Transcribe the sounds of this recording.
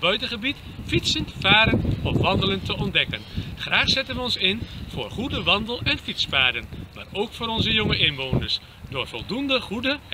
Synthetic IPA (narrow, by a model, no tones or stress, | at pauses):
bœɥtəχəbit | fitsəntfaːɾənɔfʋɑndələntəɔndɛkənχraːχsɪtənʋəɔnsɪnfʊːrχudəʋɑndəlˠɛnfitsfaːdənmaːroːkfʊːɾɔnzəjoŋəʔɪnʋoːnərs | dʊːrfɔlˠdundəχudə